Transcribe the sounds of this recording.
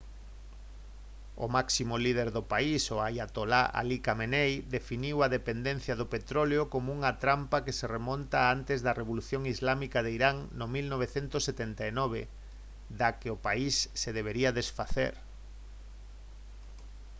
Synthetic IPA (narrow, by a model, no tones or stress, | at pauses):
ʊ̰maksimolið̞eɾðʊpaisoajat̪olaʔa̰likamenejd̪efiniwaðepend̪ẽn̟θjaðʊpet̪ɾoleokomouŋat̪ɾampakeseremõnt̪aant̪ezðareβ̞oluθjoŋizlamikaðeiɾaŋnomilnoβ̞eθent̪ʊsːet̪ent̪ainɔβ̞ḛ | d̪akeopaisːeðeβeɾiaðesfaθḛɾ